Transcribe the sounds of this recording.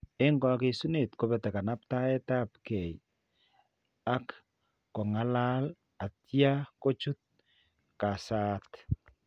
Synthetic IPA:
e˦ŋɡɔ˨ke˨su˦ne˨tkobɛ˨tɛ˨ka˨na˦p̚ta˦ɛ˦ta˦p̚ke˨j | a˦kː | ɔ˨ŋa˦la˦l | a˨tja˦ko˦t͡ʃu˦t̚ | ka˨saː˦t

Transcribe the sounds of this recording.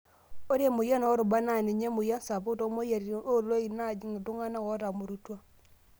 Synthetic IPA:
o˦ɾe˦mu˨ja˦nɔ˨˦ɾu˨ba˦na˨ni˨ɲe˦mu˨ja˦n˦sa˨pu˦to˦mo˦ja˨ɾi˨˦o˦˨lo˦i˨na˦˨d͡ʒi˦ŋi˨du˦ŋa˦na˦ɣɔ˨˦ɾa˨mu˨ɾu˦twa˦

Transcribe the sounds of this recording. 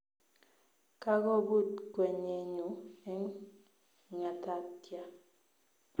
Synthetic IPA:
ka˦ɣɔ˦bu˦˨tkwɛ˨ɲe˨ɲu˨ɛ˦ŋ˨ | ŋa˨ta˦tja˦

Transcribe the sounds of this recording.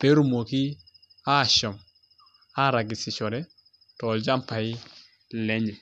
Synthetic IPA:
pe˦ɾu˦˨mo˨ki˦ | a˦˨ʃɔ˨m | a˦ɾa˨ɡi˨si˨t͡ʃɔ˨ɾɛ˦ | tɔ˨ld͡ʒa˦mpa˨i˦ | le˦ɲɛ˨

